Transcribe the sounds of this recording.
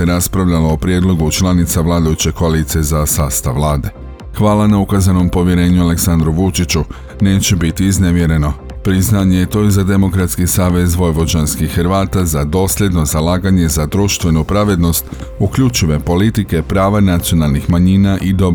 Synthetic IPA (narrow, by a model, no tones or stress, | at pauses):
eɾaspɾaʋʎalo̞ːpɾje̞d̪lˠo̞ɡut͡ʃlˠanit̪saʋlˠaːd̪ajut͡ɕe̞koalit̪sie̞zasaːst̪aʋːlˠaːd̪e̞ | xʋaːlanaukazano̞mpo̞ʋje̞ɾe̞ːɲuale̞ksand̪ɾuʋut͡ʃit͡ɕu | ne̞ːt͡ɕebit̪iːzne̞ʋje̞ɾe̞no̞ | pɾiznaːɲejet̪o̞izad̪e̞mo̞kɾat̪skisaːʋe̞zʋo̞jʋo̞d͡ʑanskixɾʋaːt̪azad̪o̞ːsʎʲe̞d̪no̞zalaːɡaɲe̞zad̪ɾuʃt̪ʋe̞nupɾaʋe̞d̪no̞st̪ukʎut͡ʃiʋe̞po̞lit̪ike̞pɾaːʋanat̪sio̞nalˠnixmaɲiːnaʔid̪o̞b